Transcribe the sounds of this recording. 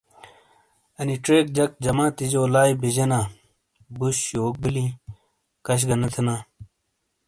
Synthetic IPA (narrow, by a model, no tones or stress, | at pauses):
ɐniʈɾeːk̚d͡ʑɐk̚d͡ʑɐmãːt̪id͡ʑoːlaːibid͡ʑɐnaː | buɕjoːk̚bili | kɐɕ̬ɡɐnɐt̪ʰɐnãː